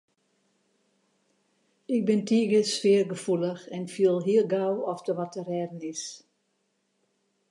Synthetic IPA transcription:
ɪk̚bɪntʰiːɡəsfɪːərɡəfuləxɛnfiəlˠɦiəlɡawɔfdəʋɔtərɛːdənɪs

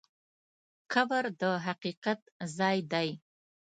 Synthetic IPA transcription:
kʰabaɾd̪əɦaqiqat̪zɑjd̪aj

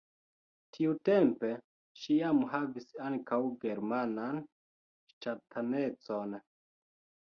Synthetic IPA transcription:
tʰiute̞mpe̞ | ʃiamɦavisaŋkawɡe̞ɾmanan | ʃtatʰane̞t͡so̞n

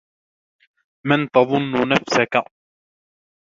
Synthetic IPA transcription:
mant̪ɑðˤʊnːʊnafsaka

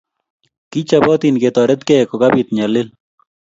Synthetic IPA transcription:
kit͡ʃabɔt̪inket̪ɔɾɛt̪kɛkokabit̪̚ɲalɪl

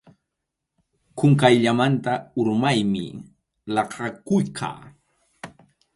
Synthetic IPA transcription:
kʊŋkajʎamant̪aʊɾmajmɪ̰ | lɑqʰɑkʊjkʰɑ̰ː

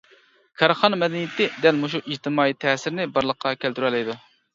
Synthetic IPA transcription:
kʰɑɾχɑnɑmɛd̪ɛnijɪt̪ʰɪd̪ɛlmoʃ̬uʔid͡ʒt̪ʰɪmɑːit̪ʰɛːsɪɾnɪbɑɾlˠəqʰːɑkʲʰælt̪yɾɛlɛjd̪u

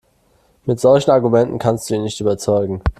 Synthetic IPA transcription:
mɪtz̥ɔlçn̩aɐɡumɛntn̩kʰanstd̥uːiːnɪçtʔyːbɐt͡sɔʏɡŋ̩

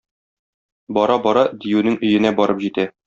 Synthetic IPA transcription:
bɒɾɑbɒɾɑd̪ijʉnɘŋʔɵ̆jɘ̆næbɒɾɤpʑit̪æ

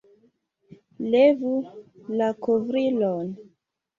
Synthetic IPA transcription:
levulakovɾilon

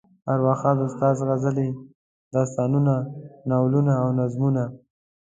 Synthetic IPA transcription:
aɾwɑxɑd̪ʊst̪ɑzɣazəle | d̪ɑst̪ɑnunanawlunaːwnazmuna

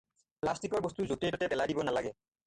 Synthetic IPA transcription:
plastikɔɹbɔst̪uzotitɔtɛbɛladibɔnalaɡɛ

